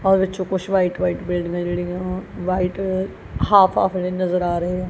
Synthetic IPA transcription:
ɔːɾʋɪt͡ʃõːkʊt͡ʃʰʋaːiʈʋaːiːʈbɪlɖɡãːd͡ʒeːɽɪjãːʋaːiʈ | haːpʰa̰ːpʰlẽːnəzəɾaːɾəeːɛ̃ː

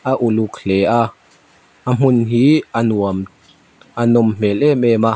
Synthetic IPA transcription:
aʔulukʰlea | am̥unɦianuam | anɔmm̥elemema

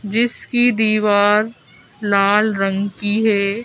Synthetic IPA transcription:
d͡ʒɪskid̪iːʋaːɾ | laːlɾɐ̃ŋɡkiɦɛː

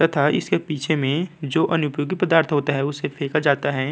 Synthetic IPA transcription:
at̪ʰaɪ̰skepiːt͡ʃʰemẽd͡ʒoːʔɐnʊpjoːɡipɐd̪aːɾt̪ʰɦoːt̪aɦɛʊsefʰeːkad͡ʒaːt̪aɦɛː

